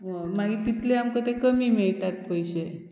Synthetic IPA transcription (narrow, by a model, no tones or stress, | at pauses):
əmaɡiːt̪it̪ʰleamkəd̪ʱekəmiːmiɭt̪at̪̚pəjɕe